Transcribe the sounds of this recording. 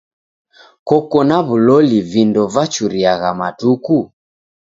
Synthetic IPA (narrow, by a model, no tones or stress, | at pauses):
kɔkɔnaβulɔlivindɔvat͡ʃuɾiaɣamatuku